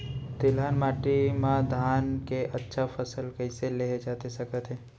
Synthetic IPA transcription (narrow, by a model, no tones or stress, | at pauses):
t̪ɪlaːnmaːʈimãd̪ʱaːnkeʔɐtːʃʰafʰəsəlkə̃ɪ̃seleːɦd͡ʒaːt̪esɐkət̪ɦɛ̃ː